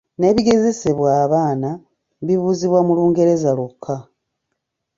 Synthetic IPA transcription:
ne̞βiɡe̞ze̞seβwaːβaːna | βiβuːziβwamuluːŋɡe̞ɾe̞zalokʰːa

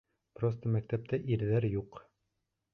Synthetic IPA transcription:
prost̪əmæk̚t̪æp̚t̪æʔiɾðæɾjuq

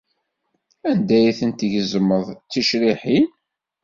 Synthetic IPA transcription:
ænd̪æjiθənt̪iʝəzməðˤt͡sːiʃɾiħin

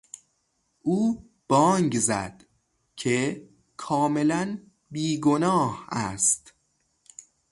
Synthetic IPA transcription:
ʔuː | b̥ɒːŋɡzæ̰d̪̥ | cʰe | kʰɒːme̞læn | biːɡo̞nɒːhæ̰st̪

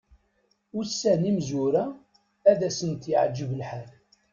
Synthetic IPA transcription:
ʊɾsːænimzuɾæ | æðæsənt̪jəʕd͡ʒːəvəlħal

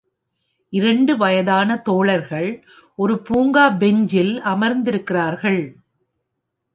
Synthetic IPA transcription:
ʔɪɾɐɳɖɯʋɐjɐðaːnɐt̪oːɭɐɾɣɐɭ | ʔɔɾɯpuːŋɡaːbɛɲd͡ʒɪlɐmɐɾnd̪ɪɾɯkːɪraːɾɣɐɭ

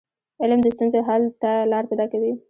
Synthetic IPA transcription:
ɪlmd̪əst̪unzeɦalt̪alɑɾpajd̪ɑkawi

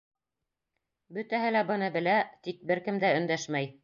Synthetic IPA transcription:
bɵ̆t̪æɦɘlæbɤ̆nɤbɘ̆læt̪ik̚bɘɾkɘ̆md̪æɵ̆nd̪æʃmæj

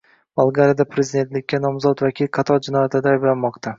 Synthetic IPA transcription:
balˠɡaɾijad̪apʰɾezɪd̪e̞nt̪lɪkʲːanɒmzɒt̪vakʲʰilqʰɑt̪ʰɒɾd͡ʒɪnɒjat̪ɪd̪aːjblanmɒqt̪ʰa

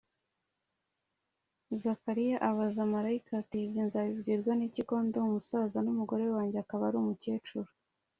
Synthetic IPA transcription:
zakaɾijaʔaβazamaɾaikatibinzaβibɡiːɾɡwaniciko̞ːndo̞umusazanumuɡo̞ɾe̞waːɲɟeakaβaɾumuce̞ːt͡ʃuɾu

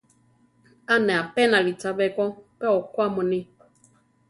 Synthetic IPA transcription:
anɛapɛnalitabɛkɔpɛɔkwamɔnɪ

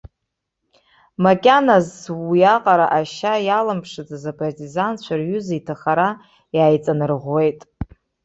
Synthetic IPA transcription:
makʲʼanazwijaqʼaɾaʔaʃajalɨmpʰʂɨt͡sazapʰʼartʼizant͡ɕʷʰarɥʏzaitʰaχaɾa | jaːjt͡sʼanɨrʁʷe̞jtʼ

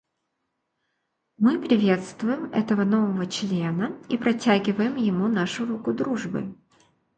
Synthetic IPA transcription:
mɨpɾʲɪvʲe̞t̪st̪vʊjɪmɛ̰t̪əvəno̞vəvət͡ɕlʲenəipɾɐtʲæɡʲɪvəjɪmjɪmunaʂʊɾukʊd̪ɾuʐbɨ̰

